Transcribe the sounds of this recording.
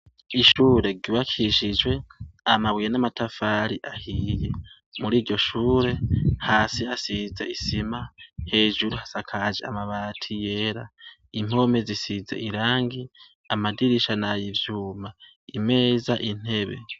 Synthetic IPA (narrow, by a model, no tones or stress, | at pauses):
iʃuːɾe̞ɡiβakʰiʃid͡ʒwe̞amaβijenamatafaːɾiʔahiːje̞ | muɾiːɾɟo̞ʃuːɾe̞haːsiasizḛisimahe̞ːʒuɾuhasakʰaʒea̰maβaːtʰije̞ːɾa | im̥o̞me̞zisizḛʔiɾaːŋɡi | amadiɾiʃanajivjuːma | ime̞ːzaʔin̥e̞βe̞̰